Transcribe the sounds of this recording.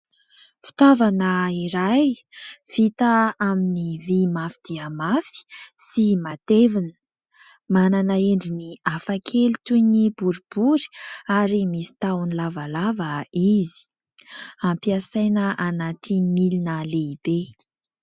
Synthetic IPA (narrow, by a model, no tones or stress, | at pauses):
fi̥t̪avanəiɾajv̥it̪aaminivimafid̪̥iəmafi̥simat̪evinə̥ | mananaeɳɖ͡ʐiniafakʰelit̪ujnibuɾub̥uɾi̥aɾimisi̥t̪awnilavalavəizi̥ | ampiasajnəʔanat̪ʰimilinəleib̥e